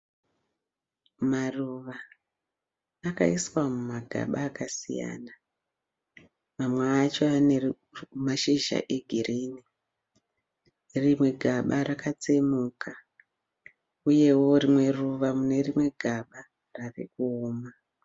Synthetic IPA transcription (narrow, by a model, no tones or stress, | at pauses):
maruʋa | kaiswamumaɡʱa̰ɓaːkasḭja̰ːna | mamweːt͡ʃo̞ane | maʃiʒa̰ʔe̞ɡʱiriːni | rimwe̞ɡʱaɓaɾakat͡se̞muːkʰa | uje̞wo̞rimwe̞ruʋamune̞rimwe̞ɡʱaɓa | rare̞kuoːma